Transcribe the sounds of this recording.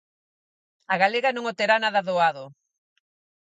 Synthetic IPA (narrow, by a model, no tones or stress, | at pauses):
aɣaleɣanõŋot̪eɾanaðɐðoaðo